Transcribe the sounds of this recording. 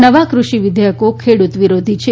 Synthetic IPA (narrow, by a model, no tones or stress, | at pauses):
nəʋakɾuʃiʋid̪ʱjəkokʰeɽut̪ʋiɾod̪ʱit͡ʃʰe